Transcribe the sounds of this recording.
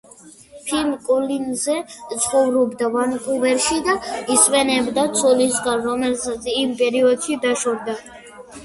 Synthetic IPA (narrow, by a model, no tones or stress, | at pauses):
pʰilmkʼulinzɛt̪sʼqʼɔvɾɔbd̪avankʼuvɛɾʃid̪aiswɛnɛbd̪at̪sʰɔlisɡanɾɔmɛlsat̪sʰimpʼɛɾiɔd̪ʃid̪aʃɔɾd̪a